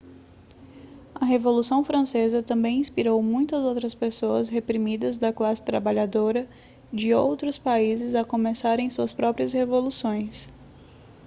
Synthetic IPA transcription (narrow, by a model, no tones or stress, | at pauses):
ɐɦevolusɐ̃w̃fɾɐ̃sezɐt̪ɐ̃bẽj̃ĩspiɾowmũj̃t̪ɐzowt̪ɾɐspesoɐsɦepɾimid̪ɐzd̪ɐklasɪ̥t̪ɾabaʎad̪oɾɐ | d͡ʒɪowt̪ɾʊspaizɪzɐkõmesaɾẽj̃suɐspɾɔpɾiɐshevolusõj̃s